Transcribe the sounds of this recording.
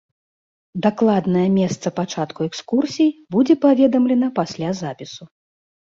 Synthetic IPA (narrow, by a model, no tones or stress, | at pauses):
d̪aklˠad̪nɐjɛmʲɛst̪sɐpat͡ʂat̪kuɛkskursʲijbud͡zʲɛpavʲɛd̪ɐmlʲɛnɐpasʲlʲazapʲisu